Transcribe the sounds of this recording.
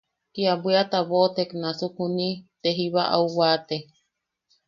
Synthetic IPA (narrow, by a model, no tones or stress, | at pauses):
kiabwiat̪aβot̪eknasukunit̪eɦiβaʔa̰uwat̪e